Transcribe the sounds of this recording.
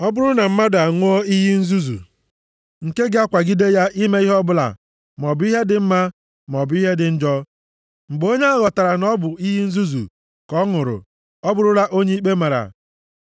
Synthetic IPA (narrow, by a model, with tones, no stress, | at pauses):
ɔ˦bʊ˦ɾʊ˦na˨m̩˦ma˦da˨ŋʷʊ˦ɔ˦i˦ɦi˦n̩˦zu˦zṵ˨ | ŋ̩˨ke˦ɡɪ˦a˦kʷa˨ɡi˦de˦ja˦ʔi˦me˦i˦ɦɔ˦bʊ˦la̰˨ | m˨ɔ˨bʊ˦i˦ɦe˦dɪ˨m̩˦ma˦ | m˨ɔ˨bʊ˦i˦ɦe˦dɪ˨n̩˦d͡ʒɔ˦ | ŋ͡m̩˨ɡ͡bo˦ɲe˦a˦ɣɔ˨ta˨ɾa˨nɔ˦bʊ˨i˦ɦi˦n̩˦zu˦zṵ˨ | kɔ˦ŋʊ˨ɾʊ̰˨ | ɔ˦bʊ˦ɾʊ˦ɾa˦ʔo˦ɲe˦i˦k͡pe˦ma˨ɾa̰˨